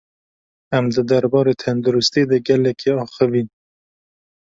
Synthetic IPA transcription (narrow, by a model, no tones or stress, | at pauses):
æmd̪ɨd̪æɾbɑːɾeːt̪ʰɛnd̪uɾust̪id̪ɛɡɛlɛkʰiɑːxɨviːn